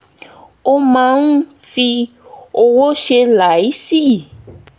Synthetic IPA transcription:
o˧mã˧˦n̩˦ | fi˧ | o˧wo˦ʃe˧la˨i˨˦si˦˨

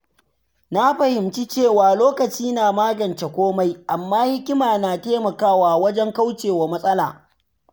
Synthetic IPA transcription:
na˦ɸɐ˨hɪ˨mt͡ʃi˦t͡ʃeː˦˨waː˨loː˦kɐ˨t͡ʃiː˦naː˨maː˦ɡɐ˨nt͡ʃe˨kʷoː˦ma˦jʔa˨mːaː˦hɪ˦kʲɪ˦maː˨naː˨teː˦mɐ˨kaː˦waː˨wɐ˦d͡ʒɛ˦ŋka˦wt͡ʃeː˨wa˨mɐ˦sʼɐ˦la̰ː˨

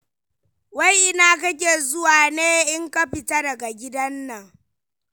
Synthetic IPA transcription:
wa˦jʔɪ˦naː˨k̬ɐ˦k̬ʲeː˨zʊ˦waː˨neː˦ʔɪ˦ŋkɐ˦ɸɪ˨ta˦dɐ˨ɡa˨ɡʲɪ˦dɐ˦nːɐ˨ŋ

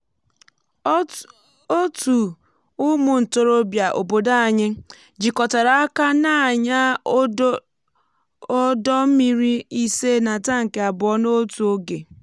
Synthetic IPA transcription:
o˦tu˨ | ʊ˦mʊ˨n̩˨to˨ɾo˦bja˨ʔo̰˨bo˨da˦a˨ɲɪ˦ | d͡ʒi˨kɔ˨ta˨ɾa˨a˦ka˦na˦˨ɲa˦ | ɔ˦dɔ˦m̩˦mi˨ɾi˦i˦se˦na˨ta˦ŋ̩˨ke˨a˨bʊ˨ɔ˦no˦tu˨o˦ɡe˨

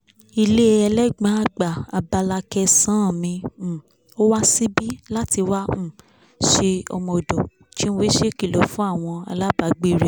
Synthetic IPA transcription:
i˧le˦ɛ˧lɛ˦ɡ͡bã˨˦a˦ɡ͡ba˨a˨ba˧la˧kɛ˧sã˦˨mĩ˧˨ | o˦wa˦si˦bi˦la˦ti˧wa˦ũ˦˨ | ʃe˧ɔ̰˧mɔ˧˨dɔ˨ | ti˦ñ̩˦wi˦ʃe˦˨ki˦˨lo˨fũ˦a˦˨w̃ɔ̃˧a̰˧la˦ba˨˧ɡ͡bi˦˨ɾɛ˨

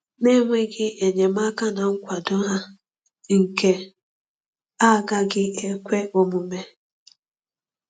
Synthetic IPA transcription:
ne˦ŋʷe˦ɡɪ˦e˨ɲe˨m˦a˦ka˦na˨ŋ̩˦kʷa˨dʊ˦ɦa˦ | ŋ̩˨ke˨ | a˦˨ɡa˦ɡɪ˦e˦kʷe˦o˦mʊ˨me˦

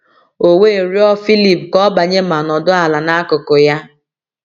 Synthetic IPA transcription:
o˨we˦˨ɾi˦ɔ˦fi˦li˨pkɔ˦ba˨ɲe˦ma˨nɔ˨dʊ˦a˨la˨na˦kʊ˨ko˨ja˦

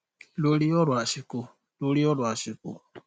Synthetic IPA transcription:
lu˦li˦o˦lwa˨ʃi˨ku˧ | lu˦li˦o˦lwa˨ʃi˨kṵ˨

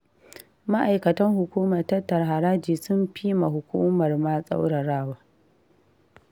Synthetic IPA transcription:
ma˦ʔa˨jkɐ˨tɐ˦ŋhʊ˨kʷuː˦mɐ˨rtɐ˦tːɐ˨rɦa˨ɾaː˦d͡ʒiː˨sʊ˦mɸi˦ma˨ɦʊ˨kʷuː˦mɐ˨rma˦sʼa̰˦wɽɐ˨ɽaː˦waː˦

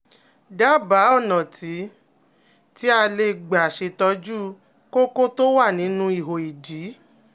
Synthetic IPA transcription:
da˦˨ba˨˦ɔ˦˨nɔ̃˨ti˨˦ | ti˦a˧le˧ɡ͡ba˨ʃe˧tɔ˧d͡ʒu˦ | ko˦ko˦to˦wa˦˨nĩ˨˦nũ˧i˦˨ɦo˨i˨d͡ʒiː˨˦

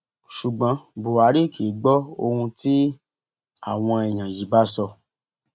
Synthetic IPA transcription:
ʃu˨ɡ͡bã˨˦bo˨a˨˦ɾi˦˨ki˨˦ɡ͡bɔ˦o˧ũ˧ti˦ | a̰˦˨w̃ɔ̃˧ɛ˨j̃ã˨ji˨ba˦sɔ˧

